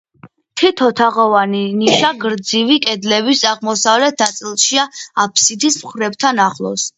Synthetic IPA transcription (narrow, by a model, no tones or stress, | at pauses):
t̪ʰit̪ʰɔt̪ʰaʁɔvaniniʃaɡɾd̪zivikʼɛd̪lɛβisaʁmɔsavlɛt̪̚ʰnat̪sʼilˠʃiaapʰsid̪ismχɾɛb̚t̪ʰanaχlˠɔ̰s